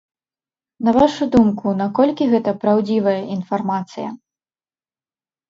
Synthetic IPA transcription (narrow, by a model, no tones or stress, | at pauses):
nɐvaʂud̪umkunakɔlʲkʲiɣɛt̪ɐpɾawd͡zʲivɐjɐʔinfarmat̪sɨjɐ̰